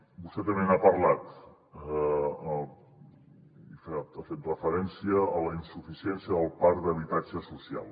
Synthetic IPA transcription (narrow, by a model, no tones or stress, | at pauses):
bust̪ɛt̪əmenapəɾlat̪ | ift̪afet̪rəfəɾɛnsiəːləinsufisiɛnsiəəlˠpaɾd̪əβit̪ad͡ʒəsusia̰lˠ